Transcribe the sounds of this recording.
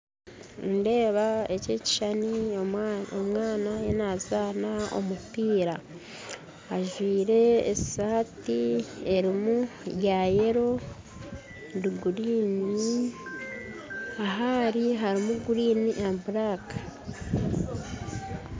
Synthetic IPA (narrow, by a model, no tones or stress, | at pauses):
nde̞ːβae̞ceːci̥ʃani | omŋaːnajenazaːnao̞̰mupiːɾa | ʒwiːɾe̞̰ːsaːtie̞ɾimujaje̞ɾo̞ | duɡuɾiːni | aɦaɾiɦaɾimuɡuɾiːniʔambuɾakḁ